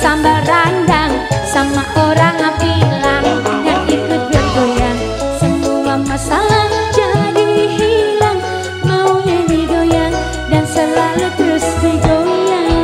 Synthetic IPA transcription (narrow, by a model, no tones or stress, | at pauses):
t̪ambarandaŋsamakoɾaŋapilaŋəŋanikʊt̪̚bərɡoja | səmuamasalad͡ʒadiɦilaŋ | mauɲadiɡoja | dansəlalut̪əɾʊsdidoja